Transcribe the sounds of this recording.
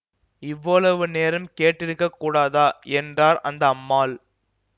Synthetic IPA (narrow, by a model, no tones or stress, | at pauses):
ɪʋːɐɭɐʋɯneːɾɐmkeːʈːɪɾɯkːɐkːuːɽaːðaːɛndraːɾɐnd̪ɐːmːaːl